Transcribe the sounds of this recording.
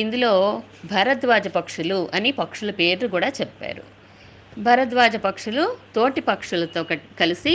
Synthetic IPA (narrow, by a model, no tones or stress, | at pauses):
ind̪ulo̞ː | bʱɐɾɐt̪ʋaːd͡ʒɐpɐkʂuluʔɐnipɐkʂulɐpeːɾlukuːɽaːt͡ʃɛpːa̰ːɾṵ | bʱɐɾɐt̪̬ʋaːd͡ʒɐpɐkʂulut̪o̞ːʈipɐkʂulɐt̪oːkɐikɐlisi